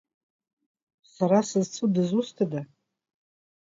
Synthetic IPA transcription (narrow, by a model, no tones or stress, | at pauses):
saɾasɨzt͡sʰɨdɨzustʰada